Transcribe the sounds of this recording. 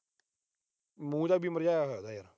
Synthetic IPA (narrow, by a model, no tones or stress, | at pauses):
mũːd̪aːbʱiːməɾd͡ʒaːjaːɦojad̪aːjaɾa